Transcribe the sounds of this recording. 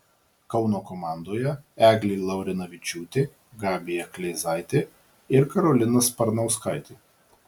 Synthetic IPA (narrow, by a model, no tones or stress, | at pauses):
kɒʊnoːkoːmɑˑnd̪oːjɛæːɡlʲiːlˠɐʊɾʲɪnɐʋʲɪt͡ʃʲuːt̪ʲe | ɡɑːbʲɪjɛklʲɛɪzɑɪt̪ʲe | ɪɾkɐɾɔlʲɪnɐspɐɾnɐʊskɐɪt̪ʲe